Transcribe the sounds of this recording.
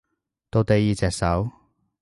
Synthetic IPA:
t̪o˨˧wt̪e˨jiː˨t͡sɛː˨k̚sɐ˨˥w

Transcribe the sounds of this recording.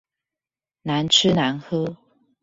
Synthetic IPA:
na˨˦nʈ͡ʂʰɻ̩˥na˨˧˦nxɤ˥

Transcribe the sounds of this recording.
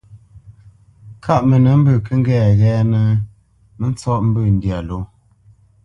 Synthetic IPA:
kʰa˦ʔmə˨nə˨˦m̩˦bə˦˨kə˦ŋ̩˦ɡɛː˨ɣɛː˦nə˦ | nə˦n˦t͡sɔ˦ʔm̩˦bə˦˨n̩˦dja˨lo˦

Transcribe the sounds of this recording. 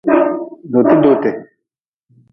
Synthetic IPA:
d̪o˨t̪e˦d̪o˨t̪e˨

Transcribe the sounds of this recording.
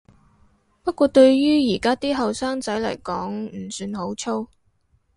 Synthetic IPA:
pɐ˥t̚kʷɔː˧t̪ɵ˧ɥjyː˥jiː˨˩kaː˥t̪iː˥ɦɐ˨wsaː˥ŋt͡sɐ˨˥jlɐ̰˨˩jkɔː˨˥ŋm̩˨˩syː˨˧nho˨˥wt͡sʰo˥w

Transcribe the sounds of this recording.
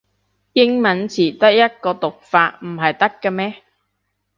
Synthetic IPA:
jɪ˥ŋmɐ˨˥nt͡sʰiː˨˩t̪ɐ˥k̚jɐ˥t̚kɔː˧t̪ʊ˨k̚faː˧t̚m̩˨˩ɦɐ˨jt̪ɐ˥kːɐː˧mɛː˥

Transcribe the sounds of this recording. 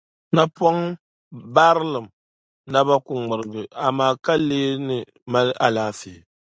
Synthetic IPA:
na˦pɔ˦ŋ | ba˦ɾɨ˦lɨ˨m̩˨ | na˦ba˦kʊ˨ŋ͡mɨ˨ɾɨ˨ɡɨ˨a˨maː˦˨ka˦leː˦nɨ˨ | ma˦lʔa˨laː˨fi˨

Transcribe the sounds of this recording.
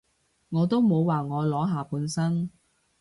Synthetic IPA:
ŋɔː˨˧t̪o˥wmo˨˧wwaː˨˩ŋɔː˨˧lɔː˨˥ɦaː˨puː˨˧nsɐ˥n

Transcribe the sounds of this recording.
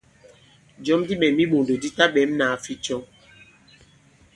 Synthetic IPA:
d͡ʒɔ˨˦mdi˦ɓɛ˨mi˦ɓo˨ndo˨di˦ta˦ɓɛ˨˦mna˨fi˦t͡ʃɔ˦ŋ

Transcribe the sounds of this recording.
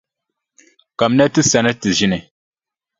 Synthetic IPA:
ka˨mnɛ˦tɨ˦sa˨nɛ˦tɨ˨zi˦nɛ˨

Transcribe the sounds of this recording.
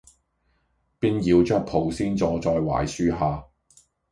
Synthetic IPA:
piː˥njiː˨˧wt͡ʃœː˥k̚pʰo˨˩wsiː˥nt͡sɔː˨˧t͡sɔː˧jwa̰ː˨˩jsyː˥ɦaː˨˧

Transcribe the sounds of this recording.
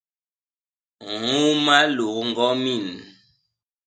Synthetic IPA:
ŋu˦ma˦lu˨˦ŋ˨ɡɔ˦mi˦˨n

